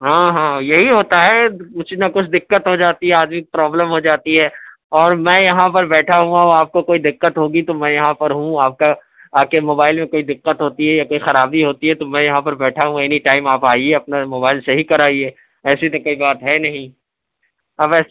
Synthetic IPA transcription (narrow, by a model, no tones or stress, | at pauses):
ɦãːɦãːjɐɦiɦoːt̪aɦɛkʊt͡ʃʰnakʊt͡ʃʰd̪ɪkːət̪ɦod͡ʒaːt̪iɦɛaːd̪mikpɾaːbləmɦod͡ʒaːt̪iɦɛ | ɔːɾmɛ̃jɐɦãpɐɾbɛːʈʰaɦũɐaːp̚kokoːid̪ɪqːət̪ɦoːɡit̪omɛ̃ːjɐɦãpɐɾɦũaːp̚ka | aːkemoːbaːɪlmẽkoːid̪ɪqːət̪ɦoːt̪iɦɛjakoːixɐɾaːbiɦoːt̪iɦɛt̪omɛ̃jɐɦãpɐɾbɛːʈʰaɦũɛːniʈaːɪmaːpaːieɐpnamoːbaːɪlsɐɦikɐɾaːieː | ɛːsit̪okoːibaːt̪ɦɛnɐɦĩ | ɐbɛːs